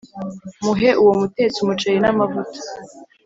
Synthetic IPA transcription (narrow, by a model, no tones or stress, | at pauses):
muɦeʔuwo̞mute̞ːt͡sumut͡ʃejinamavutḁ